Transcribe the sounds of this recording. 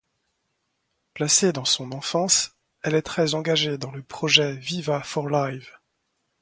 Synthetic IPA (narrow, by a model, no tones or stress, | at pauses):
plased̪ɑ̃sɔ̃nɑ̃fɑ̃s | ɛlɛt̪χɛzɑ̃ɡaʒed̪ɑ̃ləpχɔʒɛvivafɔʁlajv